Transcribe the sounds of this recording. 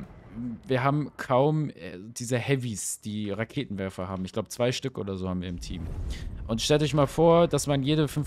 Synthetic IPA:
viːɐɦaːbm̩kʰaʊmɛ̰d̥iːzəhɛvisd̥iːʁakʰeːtn̩vɛɐfɐhaːbm̩ɪçɡ̥laʊbət͡sv̥aɪʃtʏkʔo̰ːdɐzoːhaːm̩viːɐɪmtʰḭːmʔʊntʃtɛltɔç̬maːlfoːɐd̥asmanjeːdəfʏnf

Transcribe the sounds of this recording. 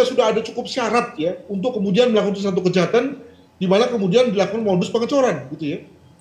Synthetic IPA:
asudaɦadat͡ʃukʊp̚siaɾat̪̚jaunt̪̬ʊkːəmudianməlakukansat̪̬ukəd͡ʒaɦat̪an | dimanakəmudianbilakukanmobʊspəŋət͡ʃoɾanɡit̪uja

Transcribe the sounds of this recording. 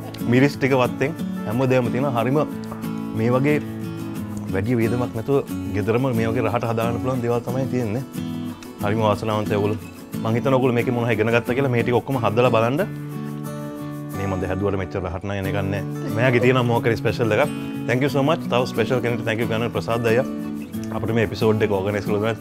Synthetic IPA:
miɾisʈikəʋat̪ːeŋhɛmʋəd̪eːʋɐmət̪ijənaːɦaɾimə | meːʋaɡeː | ʋɛɖijəʋiːd̪əmaknɛt̪uʋəɡed̪əɾəməmeːʋaɡeːɾaɦaʈəɦad̪aːɡənːəpuluʋand̪eːʋalt̪amajet̪ijenːe | haɾiməʋaːsɐnaːʋant̪ejoɡulu | maŋɦit̪ːɐnoɡulumeːkemunaɦajɡənəɡat̪ːakiəlameːʈikeokːəməɦad̪ːɐlabalaɳɖə | meːmad̪ːɐɦɛd̪uʋɐʈəmet͡ʃːɐɾɾaɦaʈɐnaŋenekanːɛ | mejaɡet̪ijenaːmoɦakːɐɾispeʃɐld̪ekat | t̪ʰɛŋkjusoːmat͡ʃt̪aʋɐspeʃɐlkeneʈit̪ʰɛŋkjukanːʋɐɾpɾɐsaːd̪ajːa | ɐpəʈɐmeːepisoːɖekəoɾɡənajskəɭuɐ

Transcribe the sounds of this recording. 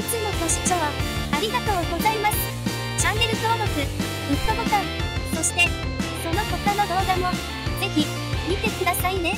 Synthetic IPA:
it͡sɨno̞to̞ɕi̥t͡ɕoβaaɾʲiɡat̪o̞ːɡo̞zaimasɨ̥ | t͡ɕãŋːe̞ɾɯ̟soːb̪ot͡sɨ | mʲit̪obokãnso̞ɕi̥t̪e̞so̞no̞ko̞t̪ano̞ɡ̪o̞ːd̪amo̞ | ze̞çʲi | mʲit̪e̞kɯ̟d̪asaine̞

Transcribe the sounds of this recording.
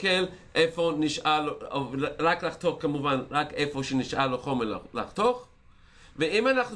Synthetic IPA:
kel | ʔefo̞niʃʔaloʁaklaχt̪o̞χkamuvanʁake̞fo̞ʃeniʃʔaloχo̞mella̰χt̪oχ | veimanaχn

